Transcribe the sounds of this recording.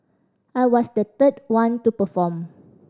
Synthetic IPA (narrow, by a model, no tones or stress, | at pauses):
ajwɔsdət̪ət̚wãntupəfɔm